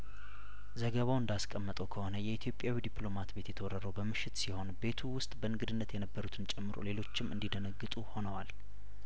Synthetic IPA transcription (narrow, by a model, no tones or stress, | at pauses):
zəɡəβawɨnd̪askʼəmːət̪ʼəwkʰəho̞nəjɛit̪ʰjo̞pʼjawid̪ipʼlo̞mat̪be̞t̪jɛt̪ʰəwɔɾəɾəwbəmɨʃːɪt̪siho̞nbe̞t̪ʰuwʊst̪ʼbənɨɡɨd̪ɨnːət̪jɛnəbːəɾut̪ʰɨnt͡ʃʼɛmːɨɾo̰le̞lo̞t͡ʃːɪmʔɨ̰nd̪id̪ənəɡːɨt̪ʼuho̞nəwal